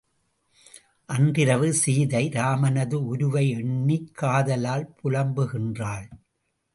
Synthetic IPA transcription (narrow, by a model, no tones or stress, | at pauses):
ʔɐndɪɾɐʋɯsiːðɐɪɾaːmɐnɐðɯʊɾʊʋɐɪɛɳːɪkʰːaːðɐlaːlpʊɻɐmbɯɣɪndraːɭ